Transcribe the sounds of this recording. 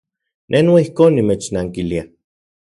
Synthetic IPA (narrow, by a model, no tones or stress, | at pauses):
nʔenaihkoːnːimeːt͡ʃnaːŋkilia